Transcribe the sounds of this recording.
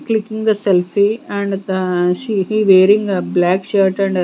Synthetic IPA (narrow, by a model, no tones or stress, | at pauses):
klɪkːĩŋd̪əsɛlfiæ̃ɳɖʃihiʋeːɾĩŋɡblæːkʃəɾʈɛ̃ɳɖ